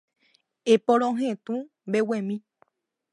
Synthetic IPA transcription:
epõɾ̃õɦẽt̪ũ | mbewẽmĩ

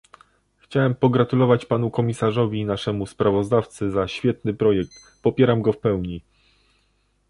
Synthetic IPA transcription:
xt͡ɕawɛmpɔɡɾat̪ulɔvat͡ɕpanukɔmʲisaʐɔvʲinaʂɛmuspɾavɔzd̪aft̪sɘzaɕfʲjɛt̪nɘpɾɔjɛk̚t̪ | pɔpʲjɛɾamɡɔfpɛwɲi

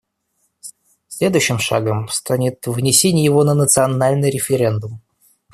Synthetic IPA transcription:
sʲlʲe̞d̪ʊjɕːɪmʂa̰ɡəmst̪anʲɪt̪vnʲɪsʲenʲɪjjɪvo̞nənət̪sɨɐnalʲnɨjɾʲɪfʲɪɾʲe̞nd̪ʊm

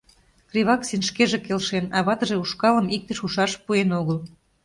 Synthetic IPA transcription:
krʲiβɑksinʃkeʒekelʃenɑβɑt̪ə̆ʒeuʃkɑləmik̚t̪əʃuʃɑʃpuenoɣəl

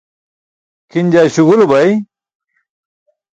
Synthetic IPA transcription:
kʰinʲd͡ʑaːɕuɣulobɐj

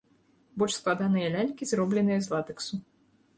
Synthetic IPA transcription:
bɔlʲʂsklˠad̪anɨjɐlʲalʲkʲizrɔblʲɛnɨjɐzlˠat̪ɨksu

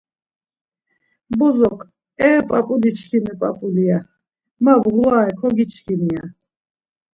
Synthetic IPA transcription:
bɔzɔkʰ | ɛːpʼapʼulit͡ʃʰkʰinɛpʼa̰pʼulia | mabɣlaɛkʰɔɡit͡ʃʰkʰinia

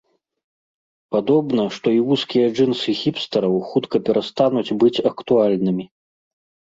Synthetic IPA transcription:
pad̪ɔbnɐʂt̪ɔiwuskʲijɐd͡ʐɨnsɨxʲipst̪ɐɾɐwxut̪kɐpʲɛɾast̪anud͡zʲbɨt͡sʲɐkt̪ualʲnɨmʲi

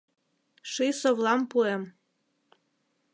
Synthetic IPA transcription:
ʃisovlˠɑmpuem

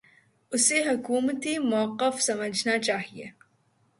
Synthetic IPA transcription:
ʊseɦʊkuːmt̪imɐwɐqːəfsɐməd͡ʒnat͡ʃaːɦieː

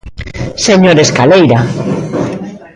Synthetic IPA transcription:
seɲoɾeskalejɾa

